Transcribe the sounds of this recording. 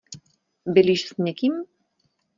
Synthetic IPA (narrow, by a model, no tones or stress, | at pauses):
belʲiʃsnʲekim